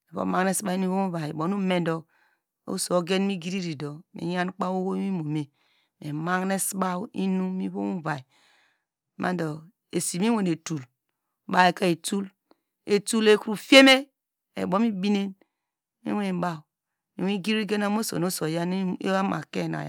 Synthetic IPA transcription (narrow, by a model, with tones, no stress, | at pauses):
e˨βo̰˦ma˦ŋ˦ne˦sba˦i˦n˦i˦βo˦mu˦va˨e˨bo˨˦nu˦me˦ndo˨ | o̰˦so˨˦ɡe˦n˦mi˦ɡi˦ɾi˦ɾi˨do˨mḭ˨ja˦n˦k͡pa˦wwo˦i˦mo˨me˨ | me˨ma˦ŋne˦sba˦wi˦nu˦mi˦βo̰˦mu˦va˨i˨ | mʔa̰˦do˨ | e˨si˨mi˦we˨ne˨tu˨l | ba˨e˨ka˦e˨tu˦l | e˨tu˦le˦ku˦ɾu˦˨fe˦me˦ | ḛ˨bo˦mi˦bi˦ne˦n | mḭ˦we˦ne˨m˦ba˦˨w | mi˨wi˦ɡi˦ɾi˦i˦ɡe˦na˦mo˦so̰˨no˦so˨ja˦n˦ḛ˦a˦ma̰˨ke˦˨na̰˨j̰